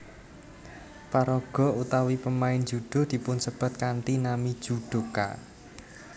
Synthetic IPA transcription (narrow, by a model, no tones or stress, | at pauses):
paɾɔɡ̥ɔ̤ut̪awipəmaɪnd͡ʒ̥ud̪̥ɔ̤d̪̥i̤pʊnsəb̥a̤t̪̚kant̪inamid̥ʒ̥ṳɖ̪̥o̤ka̰